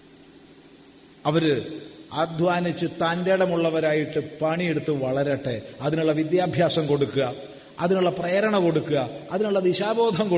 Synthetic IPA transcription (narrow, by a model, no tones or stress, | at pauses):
ɐʋɐɾɨɐd̪ʱʋaːnit͡ɕːɨt̪ɐndeɽɐmuɭːɐʋɐɾaːjiʈːɨpɐɳieɽut̪ːɨʋɐɭɐɾɐʈːeɐðinuɭːɐʋid̪jaːbʱjaːsɐmko̞ɽukːuɣɐ | ɐðinuɭːɐprɐjɐɾɐɳɐko̞ɽukːuɣɐɐðinuɭːɐðiɕaːbo̞ːd̪ʱɐmko